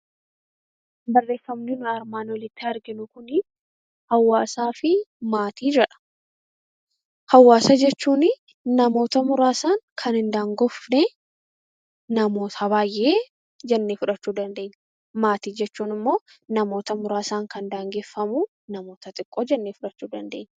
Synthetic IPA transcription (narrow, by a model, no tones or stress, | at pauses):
bɐrːe̞ːfːɐmnɪnʊɐɾmaːnwɔlɪt̪ːɪɐɾɡɪnʊkʊnɪ | hɐwːaːsaːfɪmaːt̪iːd͡ʒɛᶑɐ̥ | hɐwːaːsɐd͡ʒɛt͡ʃːuːnɪ | nɐmo̞ːt̪ɐmʊɾaːsaːŋkʰɐnɪnd̪aːŋɡɔfnɛ | nɐmo̞ːt̪ʰɐbaːjʔːe̞ː | d͡ʒɛnːeːfʊᶑɐt͡ʃːuːd̪ɐnd̪e̞ːɲː | maːt̪iːd͡ʒɛt͡ʃːuːnɪmːo̞ː | nɐmo̞ːt̪ɐmʊɾaːsaːŋkɐnd̪aːŋɡe̞ːfːɐmu | nɐmo̞ːt̪ɐt̪ʼɪkʼːo̞ːd͡ʒɛnːeːfʊᶑɐt͡ʃːuːd̪ɐnd̪e̞ːɲː